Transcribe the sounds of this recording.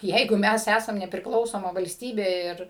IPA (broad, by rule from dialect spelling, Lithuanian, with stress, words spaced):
ˈjɛɪɡʊ ˈmʲæs ˈæsɐm nʲɛpʲrʲɪkˈlˠɐʊsoːmɐ ʋɐlʲsʲˈtʲiːbʲeː ˈɪr